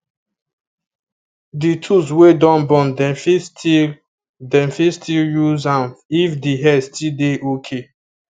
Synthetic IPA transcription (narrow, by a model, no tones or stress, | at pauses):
ditʰus̬wedɔ̃nbɔ̃ndɛfisti | dɛ̃mfistʰiljuzãnifdiɦɛstʰildeʔokʰe